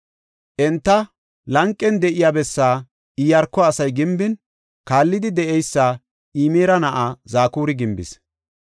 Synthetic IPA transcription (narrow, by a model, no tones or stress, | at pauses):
ʔɛnt̪ːɐ | lɐŋkʼːɛnd̪ɛʔɪjaːbɛsːaː | ɪjɐɾkːɔɐsɐjɡɪmbɪn | kaːlːɪd̪ɪd̪ɛʔɛjsːaː | iːmeːɾɐnɐʔaːzaːkuːɾɪɡɪmbɪ̰s